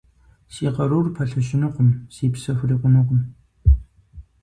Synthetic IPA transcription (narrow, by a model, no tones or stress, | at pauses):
siːqɐɾuːrpʰɐɬɐʃɪnɨqʷʊmsiːpsɐxʷriːqʷʊnɨqʷʊm